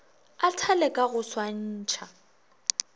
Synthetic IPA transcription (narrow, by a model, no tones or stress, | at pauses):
atʰalɛkʼaɣʊswan̩ːt͡ʃʰa